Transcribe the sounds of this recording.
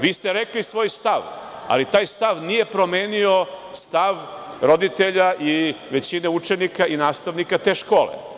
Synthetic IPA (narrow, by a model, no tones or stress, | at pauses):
ʋiːst̪eɾeklisʋo̞ːjst̪aʋ | a̰lit̪aːjst̪aʋnije̞pɾo̞me̞ːnio̞ | st̪aʋ | ɾo̞d̪it̪e̞ʎaʔi | ʋe̞t͡ɕineut͡ʃenikainaːst̪aʋnikat̪e̞ːʃko̞ːlḛ